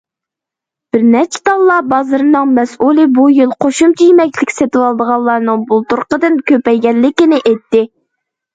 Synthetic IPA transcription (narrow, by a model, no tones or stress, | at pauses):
b̥ɪɾnɛɾt͡ʃʰɪ̥t̪ɑlˠːɑbɑzɨɾɨnɨŋmɛsʔulˠɨbujilˠqʰoʃumt͡ʃʰijemɛkʲlɪkʲset̪ɪwɑlˠd̪əʁɑlˠːɑɾnɨŋbulˠt̪uɾqəd̪ɨnkʲøpɛjɡʲɛlːɪkʲɪnɪʔet̪ːɪ